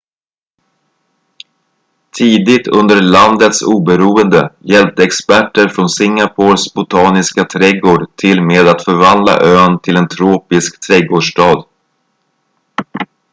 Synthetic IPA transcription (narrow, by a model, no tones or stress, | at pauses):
t̪ʰiːd̪ɪt̪ʰɵnd̪əɾɭand̪ət̪suːbəɾuːənd̪əjɛlpt̪ɛkspæʈːəɾfɾɔnsɪŋːapʰoːsbʊt̪ʰɑːnɪskat̪ʰɾɛɡoːɖʈʰɪlmeːd̪at̪fœɾvand̪la̰ʔøːnt̪ʰɪlɛnt̪ʰɾoːpɪskt̪ʰɾɛɡoːɖʂʈɑːd̪